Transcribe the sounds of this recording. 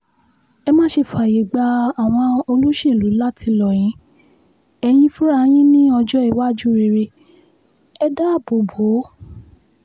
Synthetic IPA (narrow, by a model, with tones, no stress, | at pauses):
ɛ˧mã˦ʃe˧˨fu˨a˨je˨ɡ͡ba˧a˨w̃ɔ̃˧o˧lu˦ʃe˦˨lu˨˦la˦ti˧lɔ˨j̃ĩ˨˦ | ɛ˧j̃ĩ˧fũ˦ɾa˧˦j̃ĩ˦nĩ˦ɔ˧d͡ʒɔ˦i˦˨wa˦˨d͡ʒu˦ɾe˧˨ɾe˧ | ɛ˧da˦˨bo˨bo˨˦